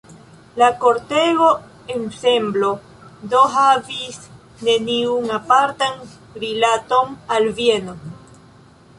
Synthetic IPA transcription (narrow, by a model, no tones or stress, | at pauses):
lakoɾt̪eɣo̞ | ensemblo | d̪oɦavis | neniunapaɾt̪an | ɾilat̪o̞nalvjeno